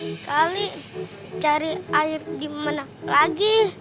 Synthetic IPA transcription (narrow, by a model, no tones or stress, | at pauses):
skali | t͡ʃaɾiaɪrdimanalaɡi